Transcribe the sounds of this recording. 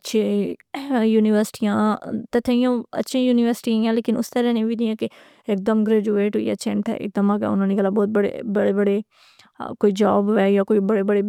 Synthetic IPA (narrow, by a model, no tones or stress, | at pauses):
ətːʃʰẽ | juːnɪʋəɾsɪ̥ʈiːjãːt̪ɛt̪ʰəijãːə̰tːʃʰĩːjuːnɪʋəɾsɪ̥ʈijãːleːkɪnʊst̪əɾɛːnẽːʋiːd̪ɪjãːkɪ | ɪk̚d̪əmɡɾɛːd͡ʒuːeːʈɦoːḭːa̰ːt͡ʃʰɛ̰̃ːɳʈʰɛ̰ːʔɪ̰k̚d̪əmaːɡɛ̰ːʊnãːniːɡəlaːbɔːt̪̚bəɽḛbəɽeːbəɽeː | koːiːd͡ʒaːbʋɛːjaːkoːiːbəɽeːbəɽeː